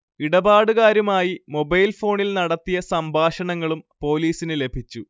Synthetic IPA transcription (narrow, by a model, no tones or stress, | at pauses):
iɽɐbaːɽuɣaːɾumaːjimo̞bɐjlfo̞ːɳilnɐɽɐt̪ːijɐsɐmbʱaːʂɐɳɐŋːɐɭumpo̞ːliːsinɨle̞bʱit͡ɕːu